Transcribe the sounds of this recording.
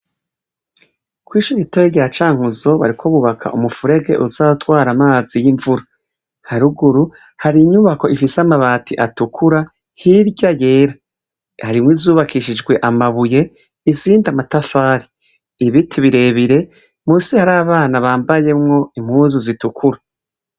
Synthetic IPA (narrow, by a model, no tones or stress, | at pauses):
kwiːʃuβitojeɾɟaːt͡ʃaːŋ̥uzo̞βa̰ɾikʰo̞βuβakʰa̰ʔumufuɾe̞ɡe̞̰ʔuzaotwaːɾamaːzijiɱvuɾa | haɾuɡuɾu | haɾiɲuβako̞ifisamaβaːtʰiʔatukʰuɾa | hiɾɟaje̞ːɾa | haɾimwiːvzuːβakʰiʃid͡ʒɡwe̞ʔamaβuje̞ | iziːndamatafaːɾiː | βitʰiβiɾe̞ːβiɾe̞ | muːsihaɾaːβaːnaβaːmbaje̞mŋo̞imhuːzuzitukʰuɾa